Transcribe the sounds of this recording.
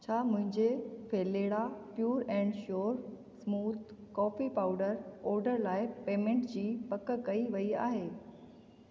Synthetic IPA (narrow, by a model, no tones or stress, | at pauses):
t͡ɕʰaːmʊ̃ɦɪ̃ɲd͡ʑepʰeːleːɽapjuːɾɛ̃ːɳɖʃoːɾ | smuːt̪kɔːfipaːʊɖəɾɔːɾɖəɾlaːɪpeːmẽːɳʈd͡ʑiːpɐkkɐiʋɐiaːɦeː